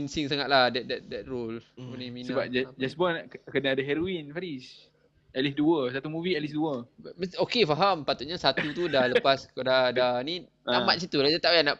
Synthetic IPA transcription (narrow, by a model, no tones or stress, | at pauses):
insiŋsaŋaʔ̪lahdɛdɛt̚dɛt̪̚rolpənimĩnəabap̚d͡ʒɛd͡ʒɛsbɔnkənaadaɦɛɾoinfaɾis | ɛlisduəs̬at̪umuviɛlisduəokefaɦampat̪ut̪̚ɲasat̪ut̪udahləpaskdadanĩ | amat̪̚s̬it̪ulad͡ʒat̪aʔjana